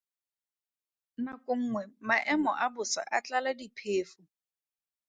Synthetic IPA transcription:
nakʼʊŋ̩ːŋwɛmaʔɛmɔ̰ʔabʊsa̰ʔat͡ɬʼaladipʰeːfʊ

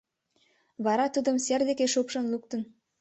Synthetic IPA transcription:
βɑɾɑt̪ud̪ə̆mserd̪ekeʃupʃɤ̆nluk̚t̪ə̆n

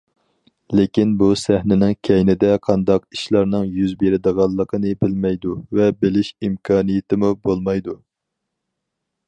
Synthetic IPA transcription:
lekʲinbusæhnɪnɪŋkʲʰɛjnɪd̪ɛqʰɑnd̪ɑqiʃlˠɑɾnɨŋjyzbeɾɪd̪əʁɑlˠːəqʰənɨbɪlmɛjd̪uvɛbɪlɪʃimkʰɑːnijɪt̪ʰɪmubolˠmɑjd̪u

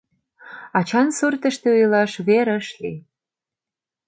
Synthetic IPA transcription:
ɑt͡ɕɑnsərt̪ə̆ʃt̪eujlɑʃβeɾəʃli

